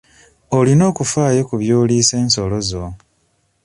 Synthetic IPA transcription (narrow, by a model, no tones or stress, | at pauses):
olino̞ːkufaːjo̞kuβjoːliːse̞ːnso̞lo̞zo